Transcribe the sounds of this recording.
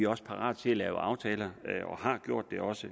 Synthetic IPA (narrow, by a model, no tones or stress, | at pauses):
iɒ̽sə̥pʰɑ̈ʁɑ̰̈ːð̥ˠt͡sʰe̝ælɛːʊɑ̈ʊt͡sʰɛːlɐɒ̽hɑ̈ɡ̥jo̝ɐ̰d̥ːe̝ɒ̽sə